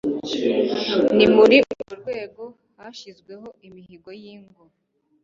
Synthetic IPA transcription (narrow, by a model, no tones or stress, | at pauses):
nimuɾiʔuɾuɾɡwe̞ːɡo̞ | haʃizɡwe̞ɦo̞ʔimihiɡo̞jiːŋɡo